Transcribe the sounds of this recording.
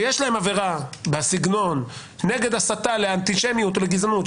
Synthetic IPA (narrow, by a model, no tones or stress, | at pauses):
jeʃlahe̞mave̞ʁabasiɡno̞n | ne̞ɡed̪asat̪aleant̪iʃemijut̪oleɡizanut̪